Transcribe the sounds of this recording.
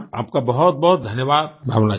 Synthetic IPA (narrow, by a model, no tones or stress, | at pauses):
a̰ːp̚kabɐɦʊt̪̚bɔɦʊt̪̚d̪ʱɐnjəʋaːd̪̚bʱaːʋna